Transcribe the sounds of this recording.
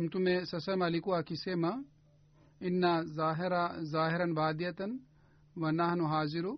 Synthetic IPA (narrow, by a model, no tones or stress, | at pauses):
mt̪umesɐsɐmɐlikuakisemɐ | inːaaɦiɾazaːɦiɾɐnbaːd̪ijɐt̪ɐn | ʋɐnaːɦnuɦaːziɾu